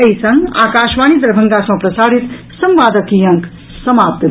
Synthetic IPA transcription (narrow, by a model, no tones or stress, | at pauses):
ɐjsɐ̃ŋɡa̰ːkaːʃʋaːñid̪ɾɐbʱɐŋɡasɐ̃pɾɐsaːɽit̪ | sɐ̃mʋaːd̪əkijɐ̃ŋk | sɐmaːp̚t̪ɐ